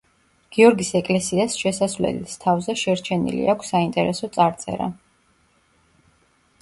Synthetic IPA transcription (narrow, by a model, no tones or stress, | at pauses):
ɡ̥iɔɾɡisɛkʼlɛsiasʃɛsasvlɛ̰list̪ʰavzɛʃɛɾt͡ʃʰɛnḭlḭakʷʰsːaint̪ʼɛɾɛsɔt̪sʼaɾt̪sʼɛ̰ɾa̰